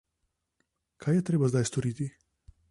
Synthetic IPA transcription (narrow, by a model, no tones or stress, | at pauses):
kʰaːjɛt̪ɾeːbazd̪ajst̪ɔɾiːt̪i